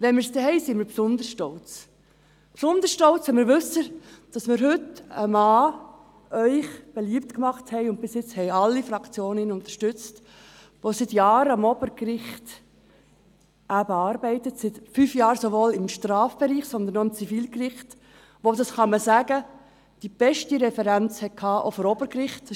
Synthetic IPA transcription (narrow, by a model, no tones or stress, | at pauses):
ʋɛnməɾsdɛhɛɪsiməɾpsʊnd̪əɾʃtɔlt͡s | psʊnd̪əsʃtɔlt͡shɛɪmɪɾʋʉsəd̥ɑsmɪɾɦʏtə̰mɑː | œʏχb̥eliːəp̚tkmɑχthɛɪʊnt̚b̥ɪsjɪt͡shɛɪɑlːifɾɑkt͡sjoːninʊnt̪ə̥ɾʃtʏt͡st | ʋosɪtjɑːɾəɑmɔbəɾkɾɪχt | ʔæbəɑːɾbɛɪtətsɪtfyːfjɑːɾsoʋoːlɪmʃtrɑːfb̥eɾiːχsɔnd̪ənɔɪmt͡sifiːlkrɪχt | ʋodɑsχɑməsæːɡə | d̥ib̥ɛʃtiɾɛfɛɾænt͡shɛt̚kʰhɑːʔo̰fɔɾɔbəɾkrɪχt